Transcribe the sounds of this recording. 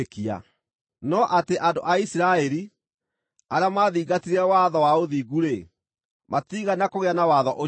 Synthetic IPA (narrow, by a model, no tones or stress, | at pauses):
kia̰ | nɔʔateʔandoʔaisiɾaɛɾi | aɾjamaðiːɣɡatiɾɛwaðɔwaoðiːɣuɾe | matiɣanakoɣeanawaðɔʔo